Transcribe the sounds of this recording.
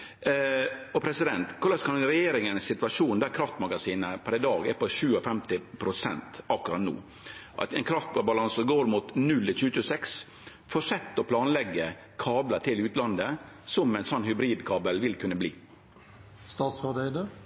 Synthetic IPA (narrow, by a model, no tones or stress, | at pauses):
ɔpʰɾɛsɪd̪ɛnt̪kʰʊɾlɑːʂkʰɑnɾɛjeːɾɪŋənssɪt̪ʋɑʂuːnd̪æɾkʰɾɑft̪mɑɡɑsiːnəpʰæɾɛd̪ɑːɡɛpɔʃʉːɔfɛmt̪ɪpʰɾʊsɛ̰nt̪ɑkʉɾɑ̰t̪nṵː | ʔɑ̰t̪ɛnkʰɾɑft̪bɑlɑnsɔɡoːɾmuːt̪nʉlt̪ɪlt͡ʃʰʉːət͡ʃʰʉːsɛks | fɔʂɛt̪ːɔpʰlɑːnlɛɡːə | kʰɑːblət̪ʰɪlʉːt̪lɑnd̪ə | sɔmɛɪnsɔnːhʏbɾiːd̪kʰɑːbəlʋɪlkʰʉnːəblḭː | st̪ɑːt̪sfɑd̪ɛɪd̪əɾ